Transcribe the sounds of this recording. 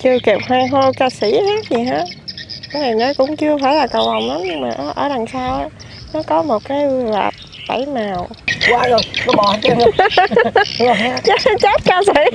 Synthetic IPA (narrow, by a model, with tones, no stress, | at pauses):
t͡ɕɨ˧əke˨˩p̚hwaː˧ɦo˧jkaː˧sḭ˧˩haː˦˥t̚zi˨˩ɦaː˨˦ka˨˦na˨˩jnɔ˨˦kʊ̰˧˥ŋ͡mt͡ɕɨ˧əfaː˧˩jlaː˨˩kə˨˩wva˨˩wŋ͡mla˨˦mɲɨ˧ŋmaː˨˩ʔə˧˩ʔəː˧˩la˨˩ŋsaː˧w | nɔ˨˦kɔ˨˦mo˨˩t̚kaː˨˦jla̰ː˨˩t̚ | ɓa˧˩jmaː˨˩wkwaː˧˦lo˨˩ɔ˨˦ɓɔ˨˩˧ | t͡ɕt͡ɕa˦˥t̚kaː˧si˧˥˦